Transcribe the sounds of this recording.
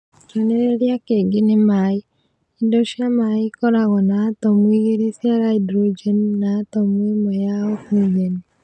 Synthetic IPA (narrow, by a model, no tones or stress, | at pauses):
keneɾjakeɡɪnɪmaɪ | indoʃamaɪkɔɾaɣɔnat̪ɔmwiɡeɾisjaɾaidɾod͡ʒennat̪ɔmwimɔjaɔkwiɡen